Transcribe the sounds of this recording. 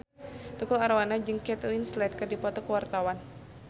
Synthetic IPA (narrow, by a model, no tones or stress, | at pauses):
t̪ukʊlaɾwanad͡ʒɨŋkɛt̪winslɛt̪̚kɨrdipɔt̪ɔkəwart̪awan